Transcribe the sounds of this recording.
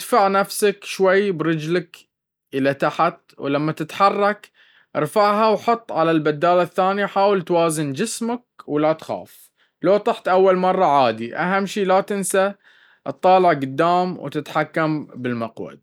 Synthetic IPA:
d̪faʕnafsakʃwajːbɾɪd͡ʒlak | ʔɪlat̪aħat̪̚wlamːat̪ɪt̪ħɑrˤːɑk | ʔɪɾfaʕɦawħʊt̪ˤːʕalalbad̪ːaːlaθːaːnijaħaːwɪlt̪waːzɪnd͡ʒɪsmak̚wlat̪xa̰ːf | loːt̪ˤɑħt̪ʔawːalmɑrˤːɑʕaːd̪iʔaɦamːʃiːlat̪ɪnsa | ʔɨt̪ˤːɑːlɪʕɡʊd̪ːaːmwt̪ɪt̪ħakːambɪlmaqwa̰d̪̚

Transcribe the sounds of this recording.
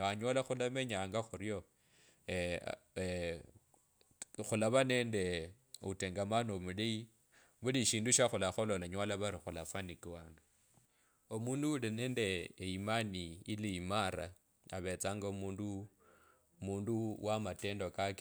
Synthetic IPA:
aɲwalaxulameɲaːŋɡaxuɾjo | xulaβaneːnde | uteŋɡamanomulei | βuliʃiːnduʃaxulaxololaɲwalaβaɾixulafanikiwaːŋɡa | omuːnduulineːndeːimaniːliimaɾa | aβet͡saːŋɡaumuːndu | muːnduwamateːndokake

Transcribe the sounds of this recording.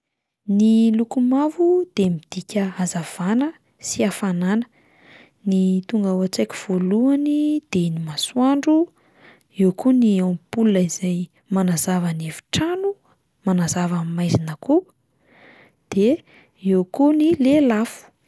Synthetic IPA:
nilukumavud̪̥emid̪̥ikʲəazav̥anə | siafananə̥ | nit̪uŋɡawat͡sejkʲu̥v̥oluanid̪̥enimaswaɳɖ͡ʐu | ewkuniampulunəiz̥aj | manazavanevu̥ʈ͡ʂanu | manazavamimajzinəku | d̪̥e | ewkunilelafu̥

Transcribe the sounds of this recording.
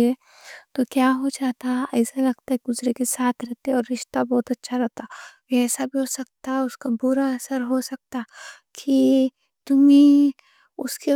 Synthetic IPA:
e | t̪okjaːɦod͡ʒaːt̪aɛːsalɐɡ̚t̪aɦɛɡʊzɾekesaːt̪ʰɾɛɦt̪eɛɔːɾːɪʃt̪abɔːt̪ɐtːʃʰaɾɛɦt̪aʋeɛːsabʱiɦosɐk̚t̪aɦʊskabʊɾaɐsəɾɦosɐk̚t̪a | kʰi | t̪ʊmẽ | ʊske

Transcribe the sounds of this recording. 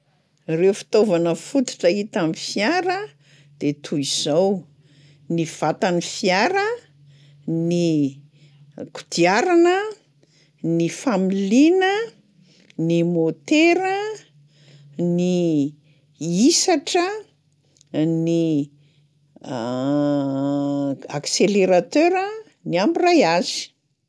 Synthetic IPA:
rewfi̥t̪ovanəfut̪i̥ʈ͡ʂəit̪amifjaɾə | d̪̥et̪ʰuiz̥ow | niv̥at̪anifiaɾə | ni | ku̥d̪iaɾanə | nifamilinə | nimot̪eɾə | ni | isaʈ͡ʂə | ni | akseleɾat̪øɾə | niambirajazi̥

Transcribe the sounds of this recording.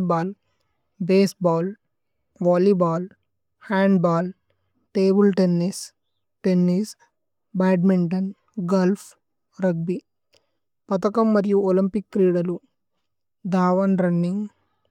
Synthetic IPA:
baːl | beːsbaːl | ʋaːlibaːl | haːɳɖbaːl | ʈeːbulʈenːis | ʈenːis | baːʈmiɳʈɐn | ɡɐlpʰ | ɾɐɡ̚bi | pɐt̪ɐkɐmːɐɾijuolimpikːɾiːɽɐlu | d̪ʱaːʋɐnɾɐnːiŋɡ

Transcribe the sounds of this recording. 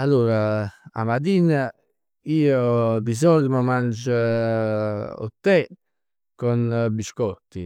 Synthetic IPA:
alːuːɾaa̰mat̪iːna | iːob̪izɔld̪mɔmand͡ʒa | o̰t̪ːɛ | kɔnbiʃkɔt̪ːi

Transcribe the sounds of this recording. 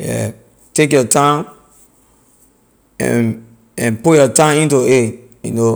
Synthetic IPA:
jɛ̰ | tek̬jɔtʰãm | ɛ̰̃n | ɛ̃npujɔtãmĩntue | jṵno

